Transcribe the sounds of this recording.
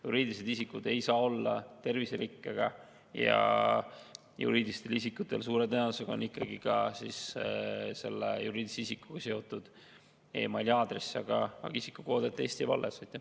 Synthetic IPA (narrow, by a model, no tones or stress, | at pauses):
juɾiːd̪̥ʲlised̪isikːud̪̥e̞jsɑːo̞lːɑt̪e̞rviseɾikːeɡ̥ɑ | jɑ̰ | jṵɾiːd̪ʲist̪e̞lisikːˑut̪ːˑe̞lsuːɾed̪eoseɡ̥ɑo̰nikːˑɑɡikɑsis | se̞lːḛjuɾiːd̪li̥seisikːu̥ɡ̥ɑseo̞t̪ːˑud̪̥ | e̞̰ːmɑlʲjɑːd̪resɑɡ̥ɑɑ̰ɡɑisikːˑuko̞ːd̪et̪ːˑe̞ːst̪ivɑ̰lːesɑjt̪ːˑe